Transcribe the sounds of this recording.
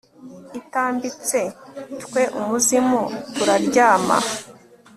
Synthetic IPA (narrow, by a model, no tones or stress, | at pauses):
itaːmbit͡setkwe̞ʔumuzimutuɾaɾɟaːma̰